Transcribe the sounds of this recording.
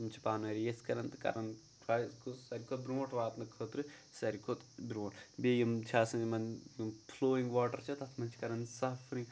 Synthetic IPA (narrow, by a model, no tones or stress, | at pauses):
mt͡ʃʰi̥paːnɐɾijeskɐɾɐnt̪ɨkɐ̰ɾɐn | ɾaskosɐɾʲkot̪̚bɾumɐʈʋaːt̪nɐkʰoːt̪ɾɨsɐɾikʰot̪bɾuʋɐʈbeːjɐmt͡ʃʰaːsɐnmɐnploːiŋɡʋaːʈɐɾt͡ʃʰɐt̪ɐt̪ʰmɐnt͡ʃʰi̥kɐɾɐnsɐfɾi